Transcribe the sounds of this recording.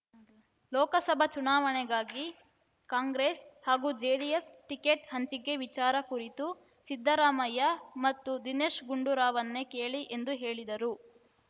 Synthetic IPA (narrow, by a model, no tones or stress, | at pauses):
lɔːkɐsɐbʱɐt͡ʃunaːʋɐɳɛɡaːɡi | kaːŋɡɾeːshaːɡuːd͡ʒeːɽijɐsʈikeːʈɦɐɲt͡ʃiɡe̞ʋit͡ʃaːɾɐkuɾit̪u | sid̪ʱːɐɾaːmɐjɐmɐt̪ːud̪ineːʃɡuɳɖuɾaːʋɐnːe̞keːɭiʔe̞nd̪uɦe̞ːɭid̪ɐɾu